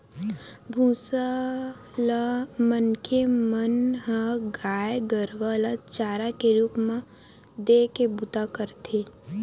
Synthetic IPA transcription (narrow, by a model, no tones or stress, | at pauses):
bʱũːsa | lamənkʰemənɦəɡaːjɡəɾʋələt͡ʃaːɾakeɾuːpmã | d̪ekebut̪akəɾt̪ʰeː